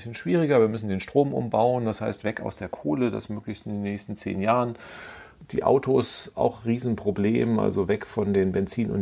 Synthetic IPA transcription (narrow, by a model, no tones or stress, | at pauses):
ɪsçənʃv̥iːʁ̞ɪɡɐviːɐmʏsn̩deːnʃtʁ̥oːmʔʊ̰mbaʊənd̥ashaɪstv̥ɛka̰ʊsd̥eːɐkʰoːləda̰smøːklɪçstɪndeːnːɛːçstn̩t͡sḛːnjaːʁən | d̥ḭːʔa̰ʊtʰosʔa̰ʊxʁiːzn̩pʁ̥oblḛːmʔa̰lzovɛkfɔndeːnbɛnt͡siːnʊ̰n